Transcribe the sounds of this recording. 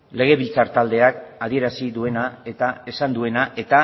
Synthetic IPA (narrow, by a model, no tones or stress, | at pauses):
le̞ɣ̞e̞βilt͡saɾt̪ald̪e̞akað̞ie̞ɾasiðue̞nae̞t̪ae̞sand̪ue̞naʔe̞t̪a